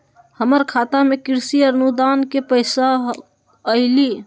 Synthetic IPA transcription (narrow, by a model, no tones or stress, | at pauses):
həməɾkʰat̪amekiɾsiəɾnud̪ankepəɪsa | əɪli